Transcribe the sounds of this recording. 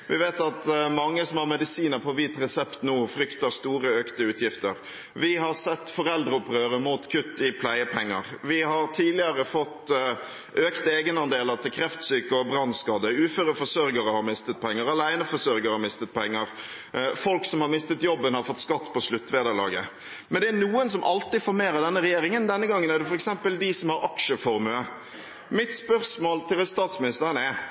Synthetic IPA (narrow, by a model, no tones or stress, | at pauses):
ʋɪʋeːt̪ɑt̪mɑŋːəsɔmhɑɾmɛd̪ɪsiːnəɾpʰɔʋiːt̪ɾɛsɛpt̪nuːfɾʏkt̪əst̪uːɾəøːkt̪əʉːt̪ʰjɪft̪əɾ | ʋɪɦɑsɛt̪ːfɔɾɛld̪ɾəɔpʁøːɾəmuːt̪kʰʉt̪ːɪpʰlæɪəpʰɛŋːəʁʋɪhɑɾt̪ʰiːlɪəɾəfɔt̪ː | ʔøːkt̪əeːɡənɑnd̪eːlət̪ʰɪlkʰɾɛft̪syːkəɔbɾɑnːskɑːd̪əʉːføːɾəfɔsœɾɡəɾəhɑɾmɪst̪ət̪̚pʰɛŋːəɾɑlæɪnəfɔsœɾɡəɾhɑmɪst̪ət̪̚pʰɛŋːəɾ | fɔlksɔmhɑɾmɪst̪ət̪jɔbːənhɑɾfɔt̪ːskɑt̪ːpɔslʉt̪ːʋeːd̪əɾlɑ̰ːɡə | mɛnd̪ɛæɾnuːəns̬ɔmʔɑlt̪ɪfɔːɾmeːɾəd̪ɛnːəɾɛjeːɾɪŋənd̪ɛnːəɡɑŋːənæd̪ɛfɔɾɛksɛmpəld̪ɪsɔmhɑɾɑkʂəfɔɾmʉə | mɪt̪spœɾsmoːlt̪ʰɪlst̪ɑːt̪smɪnɪst̪əɾənɛ